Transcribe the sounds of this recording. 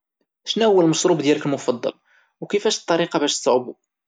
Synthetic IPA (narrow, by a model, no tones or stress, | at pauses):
snæwəlməsˤɾˤubd̪jælkəlmʊfɑd̪ˤːɑ̰l | wkifæʃt̪ˤːɑɾiqɑbæʃsːˤʕbu